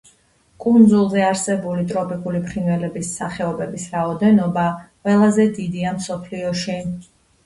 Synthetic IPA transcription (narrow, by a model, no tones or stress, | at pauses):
kʼund̪zulˠzɛaɾsɛbulit̪ʼɾɔpʼikʼulipʰɾinvɛlɛbisaχɛɔbɛbisɾaɔd̪ɛnɔbaqʼwɛlˠazɛd̪id̪iamsɔpʰliɔʃi